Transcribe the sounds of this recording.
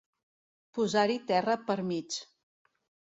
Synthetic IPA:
puzaɾit̪ɛrəpəɾmit͡ʃ

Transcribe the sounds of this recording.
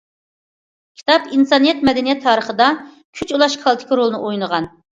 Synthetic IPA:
kʲʰi̥t̪ʰɑpinsɑnɨjɛt̪mɛd̪ɛnijɛt̪ʰːɑːɾəχəd̪ɑ | kʲʰyt͡ʃulˠɑʃkʰɑlˠt̪ʰɪ̥kʰʲiɾolˠnɨʔojnəʁɑn

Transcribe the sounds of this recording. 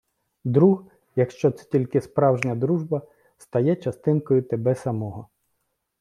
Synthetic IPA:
d̪ɾuɦ | jɐkʃt͡ʃɔt̪sɛ̥tʲilʲkɪspɾɑwʒnʲɐd̪ɾuʒbɐ | st̪ɐjɛt͡ʃɐst̪ɪnkɔjʊt̪ebɛsɐmɔɦɔ

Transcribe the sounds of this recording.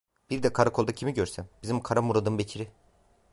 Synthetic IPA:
b̥iɾd̪ɛkʰaɾakʰo̞lˠd̪acʰimiɟøɾsæmbizimkʰaɾamuɾad̪ɯmbecʰiɾɪ

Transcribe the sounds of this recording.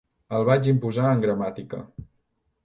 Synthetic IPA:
əlˠβat͡ʃimpuzaəŋɡɾəmat̪ikə̰

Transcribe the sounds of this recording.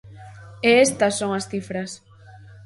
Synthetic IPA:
eest̪ɐsːoŋasθifɾas

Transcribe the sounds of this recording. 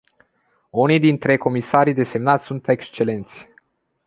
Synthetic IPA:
unijd̪int̪ɾe̞ko̞misaɾid̪e̞se̞mnat̪sʲsunt̪e̞kst͡ʃe̞le̞nt̪sʲ

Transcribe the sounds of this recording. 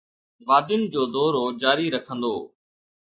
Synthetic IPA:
ʋaːd̪ɪʊnd͡ʑoːd̪ɔːɾoːd͡ʑaːɾiːɾəkʰə̃nd̪oː

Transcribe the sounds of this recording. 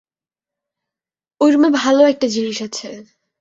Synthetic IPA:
ojɾmebʱaloɛk̚ʈad͡ʑiniʃat͡ɕʰe

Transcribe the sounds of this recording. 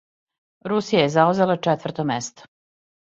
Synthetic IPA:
ɾusijajezauzelat͡ʂɛt̪vr̩t̪omest̪o̥

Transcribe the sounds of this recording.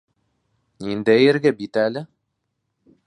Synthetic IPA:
nind̪æjɘ̆ɾɡæbit̪ælɘ

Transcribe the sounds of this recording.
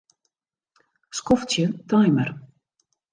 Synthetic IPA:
skɔftsjətajmər

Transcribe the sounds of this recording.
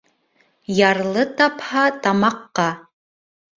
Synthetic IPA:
jarlˠɨtapʰħatʰamaqːɑ

